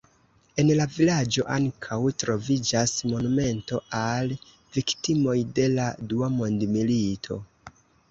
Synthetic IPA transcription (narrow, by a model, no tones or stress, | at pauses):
e̞nlavilad͡ʒo̞ʔaŋkʰawtɾo̞vid͡ʒasmo̞nume̞nto̞ʔal | viktimo̞jde̞laduamo̞ndmilitʰo̞̰